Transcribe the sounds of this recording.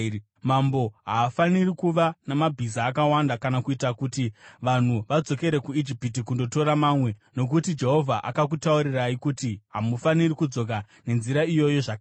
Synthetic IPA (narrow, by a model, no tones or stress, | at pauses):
mambo̞ɦaːfanirikuʋanamabʱisaːkawandakanakuitakutiʋan̤uʋad͡zo̞ke̞ɾe̞kuid͡ʒipit̬ikundo̞to̞ɾamaːmwe̞no̞k̬utid͡ʒe̞ɦo̞vʱaʔa̰kak̬utauɾiraikutiɦamufanirikud͡zo̞k̬a | ne̞nziɾaijo̞jo̞ʐak